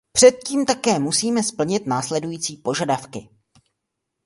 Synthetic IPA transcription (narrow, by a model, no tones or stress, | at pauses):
pr̝̥ɛt̪̚ciːmt̪akɛːmusiːmɛspl̩ɲɪt̪naːslɛdujiːt͡siːpo̞ʒadafkɪ